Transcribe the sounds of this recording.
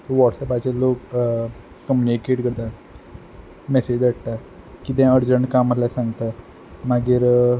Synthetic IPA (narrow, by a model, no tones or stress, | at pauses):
soʋɔʈsɛpat͡ɕeloːk | kːəmjunikeːʈkəɾt̪a | mɛsed͡ʑɾəʈʈ̪a | kit̪ɛ̃əɾd͡ʑəɳʈkaməlasãŋɡt̪a | maɡiɾ